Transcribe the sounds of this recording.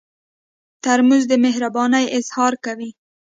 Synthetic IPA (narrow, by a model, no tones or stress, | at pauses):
t̪aɾmuzd̪əmɪɦɾabɑnajɪzhɑɾkawi